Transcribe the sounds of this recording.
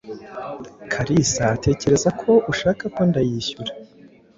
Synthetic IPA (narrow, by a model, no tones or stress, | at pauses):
kʰaɾisaːte̞ːce̞ɾe̞zakʰo̞ʔuʃaːkako̞ndajiːçuɾḁ